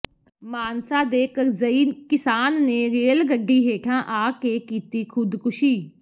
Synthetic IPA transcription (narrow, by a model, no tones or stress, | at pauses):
maːnsaːd̪eːkəɾzəiːnkɪsaːnːeːɾeːlɡəɖːiːɦeːʈʰãːʔaːkeːkiːt̪iːkʰʊd̪kʊʃiː